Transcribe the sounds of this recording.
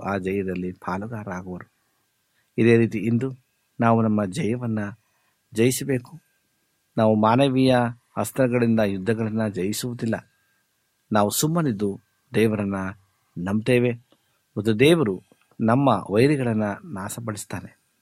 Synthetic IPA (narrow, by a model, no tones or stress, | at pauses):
aːd͡ʒɐjɐd̪ɐlːipʰaːluɡaːɾaːɡuʋɐɾu | id̪e̞ːɾiːt̪iind̪u | naːʋunɐmːɐd͡ʒɐjɐʋɐnːɐ | d͡ʒɐjisɐbe̞ːku̥ | naːʋumaːnɐʋijɐ | hɐst̪ɐɾɐɡɐɭind̪ɐjud̪ʱːɐɡɐɭɐnːɐd͡ʒɐjisuʋud̪ilːɐ̰ | naːʋusumːɐnid̪u | d̪ɛːʋɐɾɐnːɐ | nɐmt̪eːʋe̞ | ɔd̪ud̪ɛːʋɐɾu | nɐmːɐ̰ʋɐjɾiɡɐɭɐnːɐnaːsɐbɐɭist̪aːne